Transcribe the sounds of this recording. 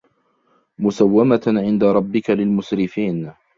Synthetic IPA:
mʊsawːamaʕɪnd̪aɾˤɑbːɪkalɪlmʊsɾɪfiːn

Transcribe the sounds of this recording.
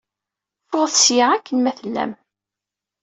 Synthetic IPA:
fʊʁθsjiʁækʰːənmæθəlːæ̰m

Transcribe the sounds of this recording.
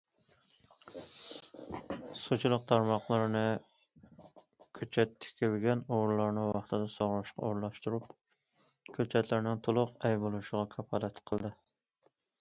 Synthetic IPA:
sot͡ʃʰulˠəq̚t̪ʰɑɾmɑχlˠɨɾnɪ | kʲʰøt͡ʃʰɛt̪ʰːɪ̥kʲʰɪlɡʲɛnoʁɾlˠɑɾnɨwɑχt̪ʰɨd̪ɛsoʁɾˠɑʃqɑ̰oɾlˠɑʃt̪uɾup | kʲʰøt͡ʃʰɛt̪ʰlæɾnɪŋt̪ʰolˠʊqɛjbolˠuʃɪʁɑkʰɑpʰɑlɛt̪qʰəlˠd̪ɨ

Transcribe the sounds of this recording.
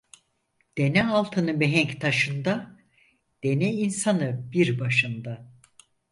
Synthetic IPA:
d̪̥e̞nɛalˠt̪ʰɯnɯmeɦɛɲct̪ʰaʃɯnd̪a | d̪̥e̞nɛinsanɯbiɾbaʃɯnd̪a

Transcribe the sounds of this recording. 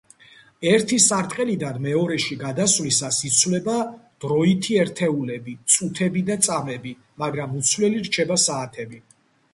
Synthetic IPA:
ɛɾt̪ʰisaɾt̪ʼqʼɛlid̪anmɛɔɾɛʃiɡad̪asvlisasit̪sʰwlɛbad̪̥ɾɔit̪ʰiɛɾt̪ʰɛulɛbit̪sʼut̪ʰɛbid̪at̪sʼamɛbi | maɡɾamut̪sʰwlɛliɾt͡ʃʰɛbasaːt̪ʰɛbi

